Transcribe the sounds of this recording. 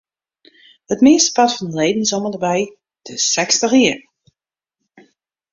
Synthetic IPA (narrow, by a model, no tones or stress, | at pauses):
hətmɪəstə̥pɑtfɑndəlejdənsomədəbɛj | d̥əsɛkstəxiər